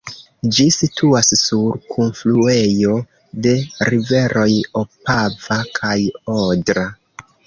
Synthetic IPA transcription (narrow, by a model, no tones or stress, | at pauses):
d͡ʒisitʰuassuɾkʰunflue̞jo̞ | de̞ɾive̞ɾʔo̞jo̞pavakʰajodɾa